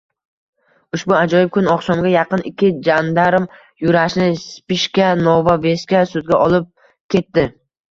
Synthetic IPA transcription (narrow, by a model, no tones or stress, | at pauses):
ʊʃbʊad͡ʒɒjɪp̚kʰʊnɒqsɒmɡʲajɑqɨnɪkʲʰːɪd͡ʒand̪aɾm | jʊɾaʃnɪspɪʃkʲanɒvave̞skʲasʊd̪̚ɡʲaʔɒlˠɪp̚ | kʲʰe̞t̪ːɪ